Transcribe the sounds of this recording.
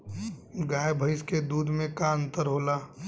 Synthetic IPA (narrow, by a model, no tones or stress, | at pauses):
ɡaːjbʱəɪsked̪uːd̪ʱmẽkaːə̃nt̪əɾɦoːlaː